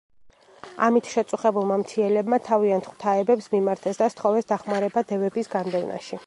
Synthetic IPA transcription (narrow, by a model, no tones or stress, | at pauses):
a̰mit̪ʰʃɛt̪sʼuχɛbulˠmamt̪ʰiɛlɛbmat̪ʰaviant̪ʰχwt̪ʰaɛbɛpsmimaɾt̪ʰɛsd̪ast̪χɔvɛsd̪aχmaɾɛbad̪ɛvɛbisɡand̪ɛvna̰ʃi